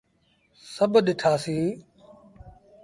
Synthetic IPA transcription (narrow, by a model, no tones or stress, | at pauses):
səbʱɗɪʈʰaːsĩː